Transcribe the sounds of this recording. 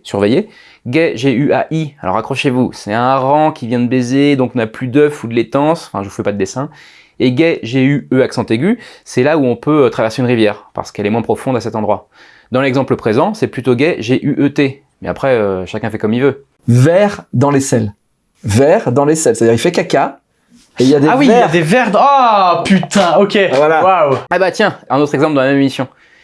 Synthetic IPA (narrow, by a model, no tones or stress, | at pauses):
syʁveje | ɡɛʒeyʔaʔialɔ̰ʁakχɔʃevusɛɛ̃ʁɑ̃kʲʰivjɛ̃d̪əbezed̪ɔ̃kɔ̃naplyd̪œfud̪əlet̪ɑ̃sɑ̃fɛ̃ʒəvufɛpad̪əd̪esɛ̃ | eɡɛʒeyøaksɑ̃t̪eɡʲysɛlauɔ̃pøøt̪χavɛʁseynʁivjɛːʁpa̰ʁsə̥kɛlɛmwɛ̃pχɔfɔ̃d̪asɛt̪ɑ̃d̪ʁwa | d̪ɑ̃lɛɡzɑ̃pləpχezɑ̃sɛplyt̪oɡɛʒeʔyʔøt̪e | mɛa̰pχɛøʃakʲɛ̃fɛkɔmilvø | vɛʁd̪ɑ̃lesɛl | vɛʁd̪ɑ̃lesɛlsɛt̪ad̪iʁilfɛkakʲa | eiljad̪eawiɛljad̪evɛʁd̪apyt̪ɛ̃okʲevalawawɛbat̪jɛ̃ɛ̃not̪χɛɡzɑ̃pld̪ɑ̃lamɛmimisjɔ̃